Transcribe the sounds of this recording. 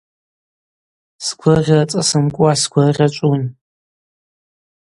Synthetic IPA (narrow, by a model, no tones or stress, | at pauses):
skʷʰʊʁʲlat͡sʼasɨmkʷʼuaskʷʰʊʁʲat͡ʃʷʼun